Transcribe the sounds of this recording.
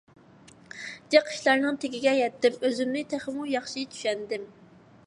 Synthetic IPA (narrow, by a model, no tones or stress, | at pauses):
d̪̥eqʰːə̥ʃlˠɑɾnɨŋt̪ʰeɡʲiɡʲɛjɛt̪ːɪmøzymnɪt̪ʰæχəmujɑχʃit̪ʰy̥ʃɛnd̪ɪm